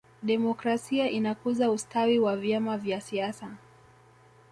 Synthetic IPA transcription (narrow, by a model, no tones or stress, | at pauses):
ɗɛmɔkɾasiaʔinakuzaustawiwavjamavjasiasa